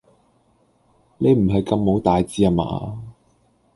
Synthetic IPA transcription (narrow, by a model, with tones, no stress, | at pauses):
ne˨˧jm̩˨˩ɦɐ˨jkɐ˧mːo˨˥wt̪aː˨jt͡siː˧a˧ma̰ː˧